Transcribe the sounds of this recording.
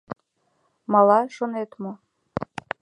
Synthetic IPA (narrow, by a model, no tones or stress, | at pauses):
mɑlˠɑʃonet̪mo